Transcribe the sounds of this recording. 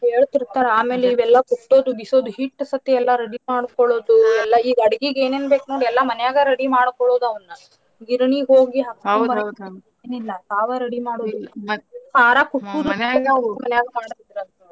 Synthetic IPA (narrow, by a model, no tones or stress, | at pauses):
eːɭt̪iɾt̪aːɾeaːme̞ːleiʋɛlːɐkuʈːo̞ːd̪ubiso̞ːd̪uɦiʈːsɐt̪iɛlːɐɾɐɽimaːɽkɔɭo̞ːd̪uɛlːɐiːɡɐɽɐɡiɡeːneːnbeːknoːɽiɛlːɐmɐnɛjaːɡɐɾɐɽimaːɽkɔɭo̞ːd̪ɐʋɐnːu | ɡiɾɳiɦoːɡiɦɐkːbɐ | eːnilːɐt̪aːʋaɾɐɽimaːɽoːd̪uilːɐaːɾakuːuːd̪uaːɡɐɐmɐnɛjaːɡɐmaːɽt̪id̪ɾɐd̪u